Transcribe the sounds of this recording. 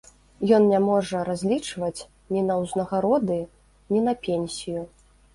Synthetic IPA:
jɔnnʲamɔʐɐɾazʲlʲit͡ʂvɐt͡sʲ | nʲinɐwznɐɣaɾɔd̪ɨ | nʲinɐpʲenʲsʲiju

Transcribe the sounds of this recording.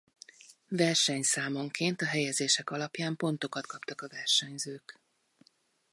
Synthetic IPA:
vɛrʃɛɲsaːmo̞ŋkʰeːnt̪ɒɦɛjɛd̪zeːʃɛkɒlɒpjaːmpo̞nt̪o̞kɒt̪kɒpt̪ɒkɒvɛrʃɛɲzøːk

